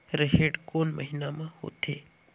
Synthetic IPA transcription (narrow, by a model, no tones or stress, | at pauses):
ɾəɦeːʈkoːnməɦɪnamãho̰ːt̪eː